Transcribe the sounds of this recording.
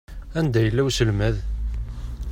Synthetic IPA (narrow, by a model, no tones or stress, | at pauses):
ænd̪æjəlːæwsəlmæð